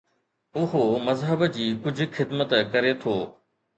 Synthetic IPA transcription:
ʊɦomɐzɦəbd͡ʑiːkʊd͡ʑʱʊ̆xɪd̪mət̪kɐɾet̪ʰoː

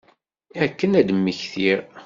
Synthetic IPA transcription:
kːənæd̪mːəçθiɾ

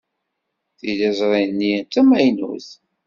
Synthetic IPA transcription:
θilæzˤʁˤinːint̪ːæmæjnṵθ

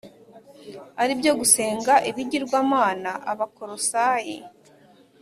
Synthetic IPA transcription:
aɾibjo̞ɡuse̞ːŋɡaʔiβiɟiɾɡwaːmaːnaʔaβakoɾo̞saːjḭ

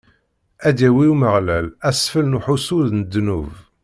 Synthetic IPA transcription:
æd̪æwiuməʁlælæsfəlnuħusuðnəd̪ːnṵv

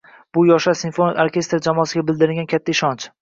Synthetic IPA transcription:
b̥ʊjɒʃasɪnfonɪoɾkʲe̞st̪ɾd͡ʒamɒːsɪɡʲabɪld̪ɪɾɪɡʲankʲʰat̪ʰːaɪʃɒnt͡ʃ

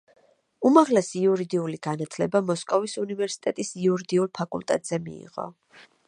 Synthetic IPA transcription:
umaʁlɛsiuɾid̪iuliɡ̥anat̪ʰlɛbamɔskʼɔvisunivɛɾsi̥t̪ʼɛt̪ʼisiuɾid̪iulˠpʰakʼṵlˠt̪ʼɛt̪ʼz̥ɛmḭḭʁɔ̰

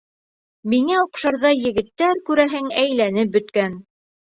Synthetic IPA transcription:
miŋæuqʃɑɾðɑjɘ̆ɡɘ̆t̪ːæɾkʉɾæɦɘŋæjlænɘp̚bɵ̆t̪kæn

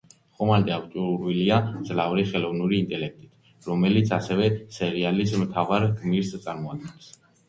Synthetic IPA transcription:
χɔmand̪ʼɛakʰt͡ʃʼuɾuɾviliad̪zlavɾiχɛlɔvnuɾiːnt̪ʼɛlɛk̚ʰt̪ʼit̪ʰ | ɾɔmɛlit̪sʰasɛvɛsɛɾialismt̪ʰavaɾɡmiɾst̪sʼaɾmɔad̪̚ɡɛns

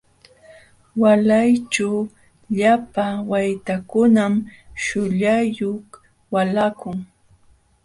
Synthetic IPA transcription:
walajt͡ʃa | ʎapawajt̪akʊnamʃʊʎajoχ | walakʊŋ

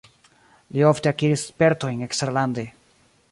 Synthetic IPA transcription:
lio̞fteakiɾisespe̞ɾto̞jne̞kstɾalande

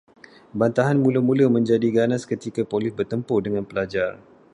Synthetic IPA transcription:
bant̪aɦanmũləmũlamə̃ɲd͡ʒadiɡanaskət̪ikapolisbərt̪əmpʊdəŋãnpəlad͡ʒar

